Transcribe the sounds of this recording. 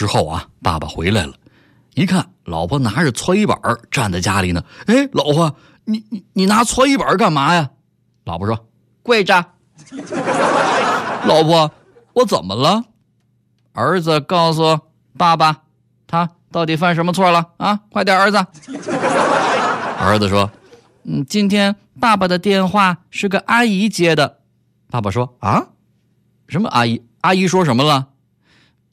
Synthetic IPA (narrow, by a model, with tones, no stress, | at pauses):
ʈ͡ʂɻ̩˥xo˥˩ʊɐ̰˩pa̰˥˩ba̰˨˩xwe˧˥ɪla̰˧˩ɪlə˩ | ni˧˥kʰa˥˩n | lɑ˨˩ʊpʰɔ˥na˧˥˩t͡sʰwɔ˥i˥˩pə̰˨˩˦ʈ͡ʂa˥˧nt͡sa˥˩ɪt͡ɕja˥li˨˩nə˦e˥˩ɪlɑ˨˩ʊpʰɔ˥˩˧ | ni˧˩ni˨˧˩ni˨˩na˧˥t͡sʰwɔ˥i˥˩pə˞˨˧ka˥˩nma˧˥ja˨˧ | lɑ˨˩ʊpʰɔ˥˩ʂwɔ˥ | kwe˥˧ɪʈ͡ʂa˥˩ | lɑ˨˩ʊpʰɔ˥˧ | wɔ˧˥t͡sə˨˩nmə˦lə˧ | ə˞˧˥d͡zɹ̩˧kɑ˥˩ʊs̬u˩ | pa˥˩ba˩ | t̪ʰa˥t̪ɑ˥˩ʊt̪i˨˩fa˥˩nʂ̬ə˧˥nmə˧t͡sʰwɔ˥˩lə˩a˧˥kwɪt̪jɑ˥˩ə˞˧˥d͡z̩˧ | ə̰˞˧˥d͡z̩˧ʂwɔ˥ | n̩˥˩t͡ɕi˥nt̪ʰjɛ˥n | pa˥˩ba˩d̪ə˩t̪jɛ˥˧nxwa˥˩ʂɻ̩˥˩ɡə˩ʔa˥i˧˥t͡ɕjɛ˧˥d̪ə˧ | pa˥˩ba˨˩ʂwɔ˥a˥ | ʂə˧˥nmə̰˧ʔa˥i˧˥ | a˥i˧˥ʂwɔ˥ʂ̬ə˧˥nmə˧lə˨˩